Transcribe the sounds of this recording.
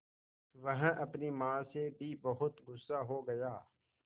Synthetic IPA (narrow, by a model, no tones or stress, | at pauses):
ʋɐɦʔɐpnimãːsebʱibɐɦʊt̪ɡʊsːaɦoɡɐjaː